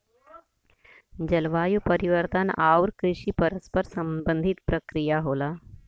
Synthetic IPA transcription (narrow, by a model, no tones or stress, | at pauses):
d͡ʒɐlʋaːjupəɾiʋəɾt̪ənaːuɾkɾɪʃipɐɾəspəɾsɐ̃mbə̃nd̪ʱit̪pɾɐkɾijaɦoːlaː